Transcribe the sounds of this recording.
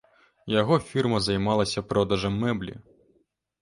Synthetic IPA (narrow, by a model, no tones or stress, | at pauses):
jɐɣɔfʲirmɐzɐjmɑlˠɐsʲɐpɾɔd̪ɐʐɐmːɛblʲḭ